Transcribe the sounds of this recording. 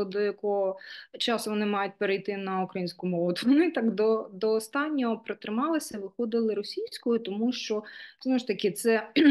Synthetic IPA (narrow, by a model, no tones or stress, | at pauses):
ɔd̪ɔjɐkɔɦɔt͡ʃɑsʊʋɔnɪmɑjʊt̚ʲpeɾejt̪ɪnɐukɾɐjinʲsʲkʊmɔʋʊt̪ʋɔnɪt̪ɑkd̪ɔd̪ɔːst̪ɑnʲːɔɦɔpɾɪt̪ɾɪmɑlˠɪsʲɐʋɪxɔd̪ɪlˠɪɾɔsʲijsʲkɔjʊt̪ɔmuʃt͡ʃɔznɔʋʊʃt̪ɐkɪt̪sɛ